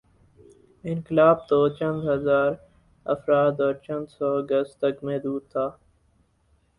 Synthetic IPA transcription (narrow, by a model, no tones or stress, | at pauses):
ɪ̃nkɪlaːb̚t̪oːt͡ʃə̃nd̪ɦəzaːɾ | ə̰fɾaːd̪ɔːɾt͡ʃə̃nd̪sɔːəɡəstt̪əkmẽd̪uːd̪̚t̪ʰaː